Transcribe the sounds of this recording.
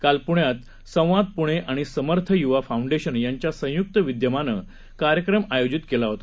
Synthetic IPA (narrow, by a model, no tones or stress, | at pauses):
kalpuɳjat̪ | sə̃w̃ʋad̪̚puɽ̃eʔaɽ̃isəməɾt̪ʰəjuʋafauɳɖeɕənjaɲt͡ɕjasə̃juk̚t̪əʋid̪jəmanə̰ | kaɾjəkɾəmajod͡ʑit̪kelaɦot̪ḁ